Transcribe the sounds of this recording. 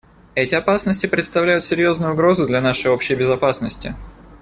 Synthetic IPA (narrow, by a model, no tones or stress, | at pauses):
ɛtʲɪɐpasnəsʲtʲɪpɾʲɪt̪st̪ɐvlʲæjʊt̪sʲɪɾʲjo̞znʊjʊʊɡɾo̞zʊd̪lʲɐnaʂɨjo̞pɕɪjəbʲɪzɐpasnəsʲtʲɪ̰